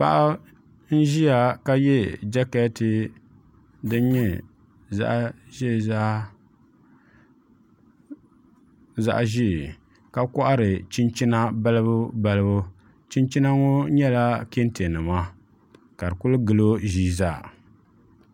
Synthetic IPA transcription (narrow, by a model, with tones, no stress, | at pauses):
pa̰˦ʔa˦ | n̩˦ʒi˦ja˨ka˦jɛ˦d͡ʒa˦kɛ˦ti˨ | dɨ˦n˦ɲɛ˦ | za̰˦ʔʒi˦˨za˦ | za̰˦˨ʔʒi˦˨ | ka˦kɔ˦ʔa˦ɾɨ˨t͡ʃi˦nt͡ʃi˦na˦ba˦lɨ˦bʊ˦ba˦lɨ˦bʊ˦ | t͡ʃi˦nt͡ʃi˦na˦ŋɔ˦ɲɛ˦la˦ke˦nte˨nɨ˨ma˦ | ka˨dɨ˨kʊ˦lɨ˦ɡɨ˨lo˦ʒiː˦zaː˦˨